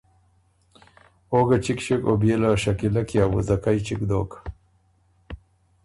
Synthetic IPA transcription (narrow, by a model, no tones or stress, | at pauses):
oːɡat͡ʃikʃekobelaʃakilakjaːwṵzakajt͡ʃikd̪oːk